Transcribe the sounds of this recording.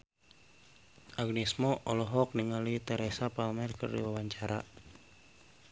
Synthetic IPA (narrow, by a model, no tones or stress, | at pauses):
ʔaɡnismɔʔɔlɔɦɔk̚niŋalit̪ɛɾɛsapalmɛrkɨ̰rdḭwawaɲt͡ʃaɾa̰